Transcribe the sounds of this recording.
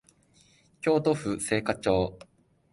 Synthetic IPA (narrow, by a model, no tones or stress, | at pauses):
kʲo̞ːt̪o̞ɸɯ̟se̞ːkat͡ɕo̞ː